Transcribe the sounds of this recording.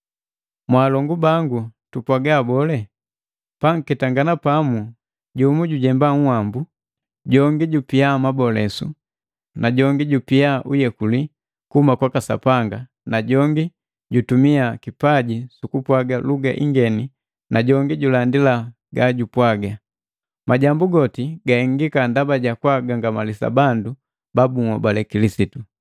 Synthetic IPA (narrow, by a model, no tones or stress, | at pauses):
mwaːlɔŋɡubaŋɡutupwaɡaːbɔlɛ | paŋ̩kɛtaŋɡanapamu | ɟumuɟuɟɛmbaŋ̩hwambu | ɟɔŋɡiɟupiamabɔlɛsṵ | naɟɔŋɡiɟupiaʔujɛkuli | kuhumakwakasa̰paŋɡa | naɟɔŋɡi | ɟutumiakipaɟisukupwaɡaluɡa̰ʔiŋɡɛni | naɟɔŋɡiɟulandila | ɡaɟupwaɡa | maɟambuɡɔtiɡaiŋɡikandabaɟakwaɡaŋɡamalisa̰bandu | babuŋabalɛkilisitu